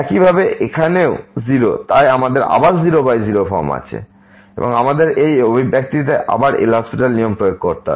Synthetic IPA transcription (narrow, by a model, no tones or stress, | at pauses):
ɛkibʱabeʔekʰaneoziɾo̰t̪ajamad̪eɾa̰baɾziɾobajziɾofɔɾma̰t͡ɕʰḛ | ḛboŋamad̪eɾejobʱibɛk̚t̪it̪̬eʔa̰baɾḛlɦɔspiʈalnijompɾoek̚koɾt̪a